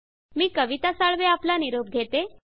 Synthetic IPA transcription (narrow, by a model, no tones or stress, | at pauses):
miːkəʋit̪asaɭʋeaplaniɾob̚ɡʱet̪e